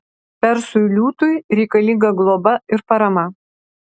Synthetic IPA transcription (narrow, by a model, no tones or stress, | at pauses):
pʲɛɾsʊlʲuːt̪ʊɪɾʲɛɪkɐlʲiŋɡɐɡlˠobɐɪɾpɐɾɐmɐ